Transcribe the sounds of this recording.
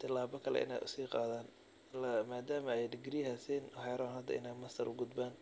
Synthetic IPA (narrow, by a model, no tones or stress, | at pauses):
t̪ʰɪlaːbɔkʰɐlɛ̰ʔɪ̰na̰ːʔʊ̰siːqɑːðaːn | lmaːd̪aːmɐɛjɖɪɡɾiːhasɛːnħɛːɾaːnhɐd̪ːɐ̰ɪ̰naːmɐst̪ʰɐɾʔʊɡʊd̪baːn